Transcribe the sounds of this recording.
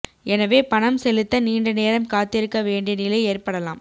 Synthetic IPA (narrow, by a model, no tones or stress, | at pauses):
ʔɛnɐʋeːpɐnɐmsɛlɯt̪ːɐniːɳɖɐneːɾɐmkaːt̪ːɪɾɯkːɐʋeːɳɖɪjɐnɪlɐɪeːrpɐɽɐla̰ːm